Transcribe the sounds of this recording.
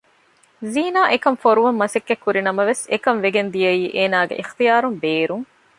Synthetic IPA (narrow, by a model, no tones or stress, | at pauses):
ziːnaːʔekɐmfoɾuʋɐmːɐsekːekːuɾinɐmɐʋesekɐmʋeɡend̪ijɐiːʔeːnaːɡḛʔixt̪ijaːɾumbeːɾuŋ